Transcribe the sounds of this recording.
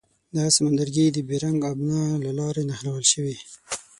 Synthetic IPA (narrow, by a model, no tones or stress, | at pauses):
d̪ɑsamand̪aɾɡid̪əbiɾaŋɡabnalalɑɾenaxɾawəlʃəwi